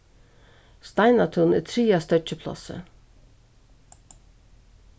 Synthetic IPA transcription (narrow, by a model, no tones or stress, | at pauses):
st̪ɑɪnɑt̪ʰʊnḛːt̪ʰɾiːɑst̪œc͡çəpʰlɑ̰sə̰